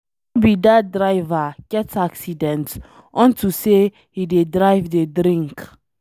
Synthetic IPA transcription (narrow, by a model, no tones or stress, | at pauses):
bidadɹaɪvaɡ̥ɛtaksidɛ̃nt | ɔ̃ntuse | hidedɹaɪvdedɾĩŋk